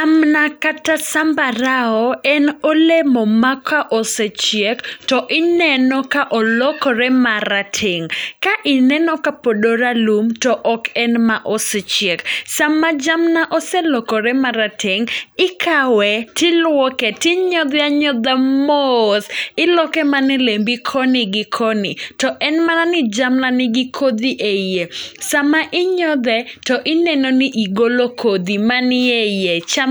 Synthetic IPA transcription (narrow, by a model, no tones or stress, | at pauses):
amnakatasambaɾaɔɛnolemɔmakaʔoset͡ʃjektɔʔɪnɛnɔkaʔɔlɔkɔɾɛmaɾatʰeŋkaʔɪnɛnɔkapodoɾalumtɔʔɔkɛnmaʔoset͡ʃjeksamːad͡ʒamnaʔɔsɛlɔkɔɾɛmaɾatʰeŋɪkʰawɛtɪlwɔkɛtɪɲɔd̪ɪaɲɔd̪amosɪlɔkɛmanɪlembikʰɔnɪɡɪkʰɔnɪ̰tɔʔɛnmananɪd͡ʒamnanɪɡɪkʰod̪iʔejesamaʔɪɲɔd̪ɛtɔʔɪnenonɪʔiɡolokʰod̪imanɪejet͡ʃa